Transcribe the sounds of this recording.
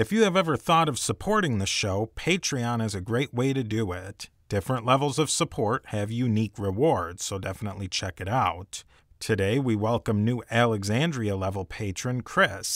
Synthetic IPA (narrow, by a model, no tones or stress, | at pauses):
ɨfjɨːvɛvə˞θɔɾʌv̥səpʰɔɹɾɪ̃ŋðɨʃoʊpʰeɪt͡ʃɹ̥iɑ̃nɨzɨɡɹeɪʔ̚weɪɾɨdɨɪt | d̥ɪfɹə̃nʔˡlɛvl̩ˠzʌv̥səpʰɔɹt̚hɨvjʉnikɹɪwɔɹdz̥soʊdɛfənətˡlit͡ʃʰɛkɨɾaʊtʰ | ɨdeɪwiwɛlˠkə̃mnʉʔælˠəɡzæ̃ndɹiɨlɛvl̩ˠpʰeɪt͡ʃɹ̥ɨ̃nkʰɹ̥ɪs